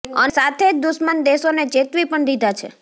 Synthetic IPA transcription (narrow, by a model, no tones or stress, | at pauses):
ənsat̪ʰed͡ʒd̪uʃmənd̪eʃonet͡ʃet̪ʋipəɳd̪id̪ʱat͡ʃʰḛ